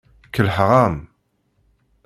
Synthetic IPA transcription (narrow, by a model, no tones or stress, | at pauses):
kəlħʁɑm